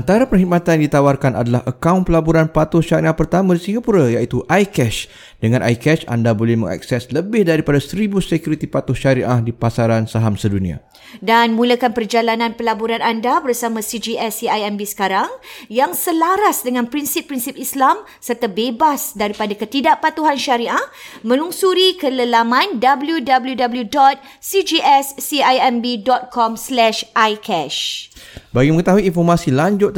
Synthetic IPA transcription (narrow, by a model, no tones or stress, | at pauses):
ant̪aɾapərɦimat̪ajaŋdit̪awarkanʔa̰dalahʔəkawnpəlabuɾanpat̪ʊhʃaɾiʔahpərt̪amãdisiŋɡapuɾajait̪uʔajkɛʃ | dəŋãnʔa̰jkɛʃa̰ndabolɛhmə̰ŋa̰k̚sɛsləbɪhdaɾipadasəɾibusekjuɾit̪ipat̪ʊhʃaɾiʔahdipasaɾansaɦamsədunĩa̰ | danmũləkanpərd͡ʒalanãnpəlabuɾanandabərsamãsid͡ʒiɛsiajɛmbisə̥kaɾaŋjaŋsəlaɾasdəŋãnpɾinsɪpːɾinsɪpislam | sərt̪abebasdaɾipadakət̪idaʔpat̪uɦanʃaɾiʔamə̃luŋsuɾikələlamãndabəljudabəljudabəljudɔt̪̚ | sid͡ʒiʔɛsːiajɛmbidɔt̪̚kʰɔmslɛʃʔajkʰɛʃ | baɡimə̃ŋət̪aɦuiːnfɔrmãsilaɲd͡ʒʊt̪̚